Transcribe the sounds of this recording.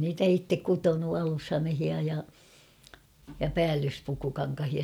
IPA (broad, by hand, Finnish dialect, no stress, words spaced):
niːtæ itːek kutonu ɑlushɑmehiɑ jɑ jɑ pæːlːyspukukɑŋkɑhiɑ